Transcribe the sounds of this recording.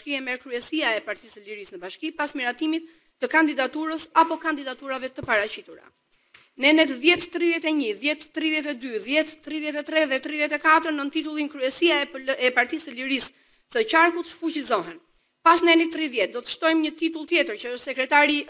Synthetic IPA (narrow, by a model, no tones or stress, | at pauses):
kiɛmɛɾkɾyɛsiaɛpaɾt̪isəliɾisnəbaʃkipasmiɾat̪imit̪ː | əkand̪id̪at̪uɾəsapɔkand̪id̪at̪uɾavɛt̪əpaɾat͡ɕit̪uɾa̰ | nɛnɛt̪ðjɛt̪ːɾiðjɛt̪ɛɲiðjɛt̪ːɾiðjɛt̪̬ɛd̪yðjɛt̪ːɾiðjɛt̪ɛt̪ɾɛðɛt̪ɾiðjɛt̪ɛkat̪əɾnənt̪it̪ulˠinkɾyɛsiaɛpaɾt̪isəliɾis | t̪ət͡ɕaɾkut̪fut͡ɕizɔɦɛn | pasnɛnit̪ːɾiðjɛt̪̚d̪ɔt̪ə̥ʃt̪ɔjmɲət̪it̪ulˠt̪jɛt̪əɾt͡ɕəəʃt̪sɛkɾɛt̪aɾi